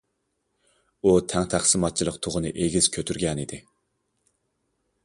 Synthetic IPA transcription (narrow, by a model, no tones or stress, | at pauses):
ut̪ʰæŋt̪ʰæχsɨmɑt̪̚t͡ʃʰilˠəqt̪ʰoʁʊnɨʔeɡʲiz̥kʲʰøt̪ʰyɾɡʲɛnid̪ɪ